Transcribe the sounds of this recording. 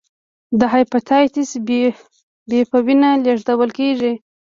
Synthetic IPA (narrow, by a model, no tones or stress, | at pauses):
d̪əɦajpat̪ʰɑjt̪is | bepəwinaleʐd̪awəlkeʐi